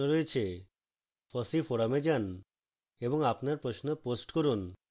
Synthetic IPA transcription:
oɾoet͡ɕʰe | fɔsifoɾamed͡ʑan | eboŋapnaɾpɾoʃnoposʈkoɾun

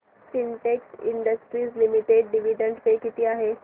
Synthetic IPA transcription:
fiɳʈeksḭɳɖəsʈɾiːslimiʈeɖɖiʋiɖəɳɖpekit̪iːaɦe

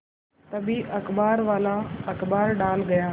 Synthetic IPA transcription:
t̪ɐbiːʔɐkbaːɾʋaːlaːɐkbaːɾɖaːlɡɐjaː

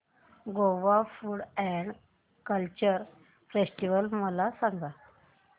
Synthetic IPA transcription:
ɡoʋafuːɽɛɳɖ | kəlt͡ɕəɾ | fesʈiʋəlməlasãŋɡa

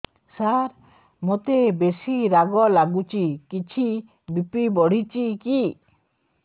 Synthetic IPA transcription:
saɾ | mot̪ebesiɾaɡɔlaɡut͡ʃikit͡ʃʰi | bipibɔɽ̤it͡ʃiki

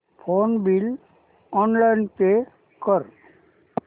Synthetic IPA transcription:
pʰonbil | ɔnlajnpe | kɔɾ

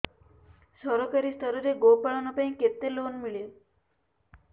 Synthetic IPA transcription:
sɔɾɔkaɾist̪ʰɔɾɔɾeɡopaɭɔnɔpaĩket̪elonmiɭe

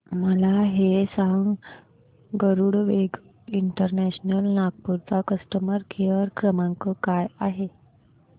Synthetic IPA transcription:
məlaɦesaŋɡ | ɡəɾuɽʋeɡ | iɳʈəɾnæɕnəlnaɡ̚puɾt͡sakəsʈəməɾkʰeʋəɾkɾəmãŋkəkajaɦe

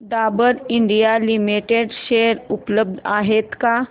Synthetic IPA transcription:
d̪aːbəɾɪ̃ɳɖijalɪmiʈeɖʃeːəɾʊpləbd̪a̰ːɦet̪ka

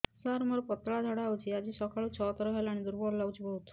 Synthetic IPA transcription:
saɾməɾpət̪ɭad̪ʱaɽaːwt͡ɕiad͡ʑiːsɔkʰaɭut͡ɕʰɔt̪ɾəɦajlaɽ̃id̪uɾbɔɾlaʋd͡ʑibəɦut̪

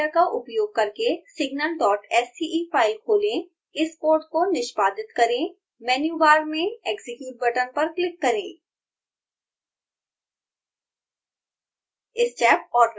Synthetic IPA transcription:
akaʔʊpjoːɡ̚kɐɾkesɪɡ̚nəlɖɔːʈɛːsiʔifaːɪlkʰoːlẽ | ɪskoːɾʈkonɪʃpaːd̪ɪt̪kɐɾẽ | mɛːnjuːbaːɾmẽeːkzɪkjuːʈ̚bɐʈənpɐɾklɪkːɐɾẽː | ɪst͡ʃɛːp̚ɔːɾ

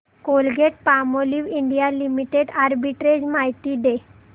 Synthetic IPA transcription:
kolɡʱeʈ̚pamoliʋiɳɖijalimiʈeɖaɾbiʈɾed͡ʑmaɦjt̪iːɖe

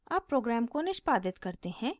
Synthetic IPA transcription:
aːpːɾoːɡɾɛːmkonɪʃpaːd̪ɪt̪kɐɾt̪ehɛ̃ː

